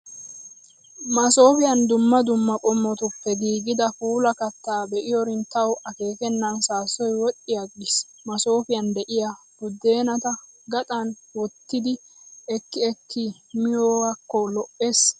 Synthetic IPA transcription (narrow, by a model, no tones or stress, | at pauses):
mɐso̞ːfɪjɐnd̪ʊmːɐd̪ʊmːɐkʼɔmːɔt̪ʊpːɛɡiːɡɪd̪ɐfuːlɐkɐt̪ːaːbɛʔɪjɔɾɪnt̪ːɐwʔɐke̞ːkɛnːɐnsaːsɔjwɔʔːɪjaɡɪs | mɐso̞ːfɪjɐnd̪ɛʔɪja | bʊd̪ːe̞ːnɐt̪ɐ | ɡɐt̪ʼɐn | wɔt̪ːɪd̪ɪ | ɛkːɪɛkːɪ | mɪjɔwakːɔlɔʔːes